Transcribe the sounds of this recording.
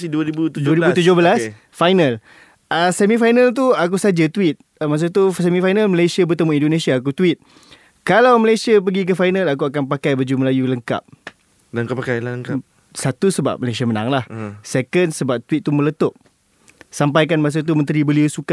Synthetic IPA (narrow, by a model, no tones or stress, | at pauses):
siduaɾibut̪uduaɾibut̪ud͡ʒohbəlas | fajnal | əsɛmĩfajnalt̪̬uak̬usad͡ʒat̪uwɪt̪̚ | mas̬ot̪usɛmĩfajnalməlesiabət̪əmuindonẽsiaːk̬ut̪wɪt̪̚ | kalawməlajsiap̬əɡik̬əfajnãlak̬uakanpakajbəd͡ʒumlajuləŋka̰p̚ | ləŋkapakajləŋka | sat̪usəba̰p̚məlajs̬iaməna̰ŋlahsɛkənsəbap̚t̪wit̪̚ːumələt̪ʊʔ̚ | sampajk̬anmas̬ot̪̬umə̃nt̪ɾibəliusuka